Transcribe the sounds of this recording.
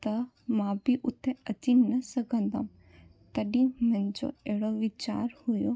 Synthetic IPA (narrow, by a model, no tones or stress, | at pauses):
t̪ɐ | mãːbʱiʔʊt̪ʰːẽɐd͡ʒinɐsɐkə̃nd̪a̰ːm | t̪əɖĩmɛ̃ɲd͡ʒo̰eːɽoʋɪt͡ʃa̰ːɾhʊjo